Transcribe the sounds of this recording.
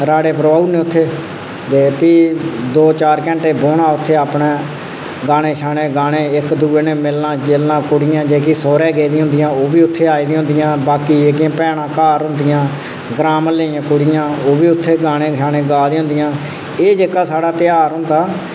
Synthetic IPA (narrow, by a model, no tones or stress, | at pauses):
ɾaːɽeːpɾʋaːuːneːʊt̪ʰːeː | d̪eːpiːd̪oːt͡ʃaːɾkɛ̃ːɳʈeːboːnaːʊt̪ʰːeːaːpɳeː | ɡaːɽ̃eːʃʰaːɽ̃eːɡaːɽ̃eːɪkd̪uːeːneːmɪlnãːt͡ʃeːlnãːkʊɽɪjãːd͡ʒeːkiːsoːɾɛːɡeːd̪ĩːɦʊ̃nd̪ɪjãːoːbiːʊt̪ʰːeːaːiːd̪ĩːɦʊ̃nd̪ɪjãːbaːkiːd͡ʒeːkijãːpɛːɽãːkaːɾɦʊ̃nd̪ɪjãː | ɡɾaːməleːãːkʊɽɪjãːoːbiːʊt̪ʰːeːɡaːɽ̃ẽːʃʰaːɽẽːɡaːd̪ẽːɦʊ̃nd̪ɪjãː | eːd͡ʒeːkaːsaːɽaːt̪ɪjaːɾɦʊ̃nd̪aː